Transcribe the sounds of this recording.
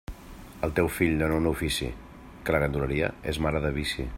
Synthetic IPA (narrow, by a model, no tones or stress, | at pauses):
əlˠt̪ewfiʎnonounufisḭ | kələɣənd̪uləɾiə̰ḛzmaɾəðəβisḭ